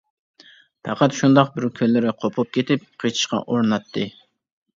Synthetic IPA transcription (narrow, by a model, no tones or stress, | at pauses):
pʰæqʰæt̪ʃund̪ɑq̚bɪɾkʲʰølːɪɾɪqʰopʰʊp̚kʲʰet̪ɪp̚qʰət͡ʃʰi̥ʃqɑ̰ʔoɾnɑt̪ʰːɨ